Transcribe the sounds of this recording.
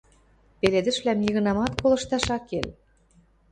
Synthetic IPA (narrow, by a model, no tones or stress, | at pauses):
peled̪ɘ̆ʃβlæmjiɣɤ̆nɑmɑt̪kolɤ̆ʃt̪ɑʃɑkel